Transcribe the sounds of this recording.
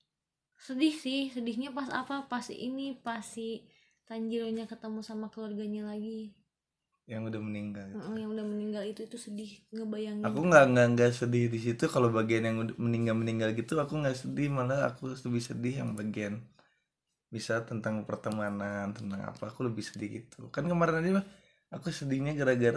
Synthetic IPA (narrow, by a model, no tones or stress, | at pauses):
sədɪhsɪhsədɪhɲapasa̰papasʔḭnipasi | t̪aɲd͡ʒiɾoɲakət̪əmusamakəluarɡaɲalaɡi | jaŋudahməniŋɡalm̩jaŋudahməniŋɡalit̪uit̪usədɪhŋɡabajaŋakuŋɡaŋɡaŋɡaʔsədɪhdis̬it̪ukalobaɡianjaŋuaməniŋɡalməniŋɡalɡit̪uakuŋɡaʔsədɪhmalaa̰kuləbɪhsədɪhja̰ŋbaɡian | bisat̪ənt̪aŋpərt̪əmanant̪ənt̪aŋa̰paːkuləbɪhsədihɡit̪ʰukankəmaɾɪnadimah | akusədɪhɲaɡaɾaɡəɾa